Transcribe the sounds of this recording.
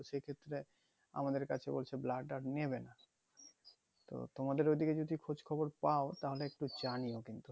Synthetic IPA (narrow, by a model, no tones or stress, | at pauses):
ʃekʰet̪ːɾe | a̰mad̪eɾkat͡ɕʰebo̰lt͡ɕʰeblaɖaɖneβena | t̪o̰t̪omad̪eɾojd̪iked͡ʑod̪ʱikʰod͡ʑkʰɔboɾpaot̪aɦoleek̚ʈud͡ʑaniokint̪u